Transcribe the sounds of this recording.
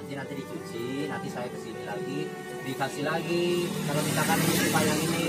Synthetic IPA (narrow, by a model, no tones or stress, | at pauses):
nt̪inant̪idikut͡ʃinant̪isajakə̥sinilaɡi | dikasihlaɡikalot̪it̪akaninibajaŋini